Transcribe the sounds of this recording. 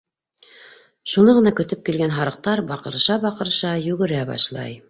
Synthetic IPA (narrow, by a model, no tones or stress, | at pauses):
ʃunɤʁɤ̆nɑkɵ̆t̪ɵp̚kilɡænɦɑɾɤ̆q̚t̪ɑɾbɑqɤ̆ɾɤʃɑbɑqɤ̆ɾʃɑjʉɡɘ̆ɾæbɑ̰ʃlˠɑ̰j